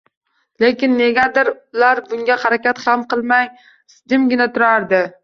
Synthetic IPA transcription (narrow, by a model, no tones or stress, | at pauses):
lekʲɪnːe̞ɡʲad̪ɪɾʊlaɾbʊŋɡʲahaɾakʲat̪hamqɨlˠmaj | sd̪ɪmɡʲɪnat̪ʰʊɾaɾd̪ɪ